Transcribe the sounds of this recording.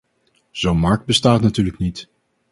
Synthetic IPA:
z̥ownmɑɹk̚bəstaːtnatyːɹləknit

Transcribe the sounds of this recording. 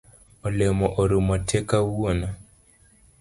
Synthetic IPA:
olemɔʔoɾumɔtʰɛkawona

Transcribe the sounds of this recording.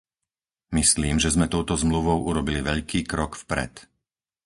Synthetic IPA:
misliːmʒɛzmɛt̪ɔʊt̪ɔzmluʋɔʊʔuɾɔbiliʋɛʎkiːkɾɔkfpɾɛ̰t̪

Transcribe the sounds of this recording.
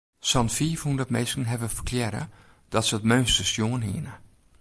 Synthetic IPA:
sɔnfiːfundətmeskən̩ɦɛvəfərkʰljɛɾə̰ | d̥ɔtsətmøːnstəsjoːənɦḭənə

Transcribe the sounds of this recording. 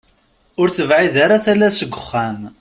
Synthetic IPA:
ʊɾθəvʕiðaɾaθælæsəɡʷːəχːæm

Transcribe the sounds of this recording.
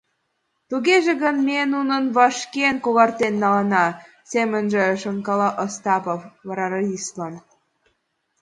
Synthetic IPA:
t̪uɣeʒĕɣənmenunə̆nβɑʃkenkoɣɑrt̪enːɑlɑnɑ | semə̆nʒĕʃəŋkɑlɑʔost̪ɑpofβɑɾɑɾɑislɑn

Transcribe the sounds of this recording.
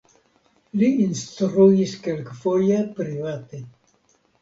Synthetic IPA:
liinst̪ɾuiskelkfojapɾivat̪e

